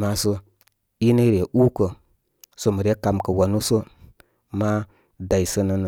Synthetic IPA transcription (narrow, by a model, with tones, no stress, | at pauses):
ma˦sə˦ | i˦nə˦ɾe˨ʔu˦kə˨ | so˨mə˨ɾe˦ka˨mkə˨wa˨nu˦sə˦ | ma˦ | da˨i˨sə˦nə˦nə˨